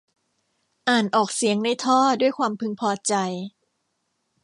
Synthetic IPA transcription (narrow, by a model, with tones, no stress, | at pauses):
ʔaː˨˩nʔɔː˨˩k̚si˩˦əŋna˧jt̪ʰɔː˥˩du˥˩əjkʰwaː˧mpʰɯ˧ŋpʰɔː˧t͡ɕa˧j